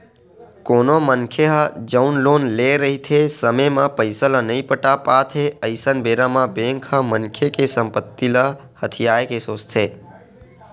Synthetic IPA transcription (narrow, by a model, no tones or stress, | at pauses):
koːnomənkʰjeɦad͡ʒəunlonleɾəɦit̪ʰesəməjmãpəjsələnəĩpəʈapat̪ʰeəɪsənbeɾamãbẽŋkʰəmənkʰjekesəmpət̪ːilə | hət̪ʰijaekesost̪ʰe